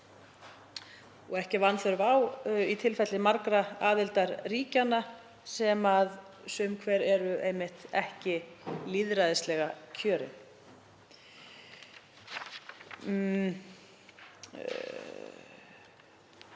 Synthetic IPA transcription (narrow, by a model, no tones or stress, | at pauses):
ɔɣɛhcɪvanθɛɾvawit̪ʰɪlfɛt̪lɪmaɾkɾaaːðɪlt̪aɾriːcana | sɛmað | sʏmkʰvɛɾɛɾʏejmɪht̪ɛhcɪliðɾaðɪst̪lɛɣacʰœːɾɪ̰n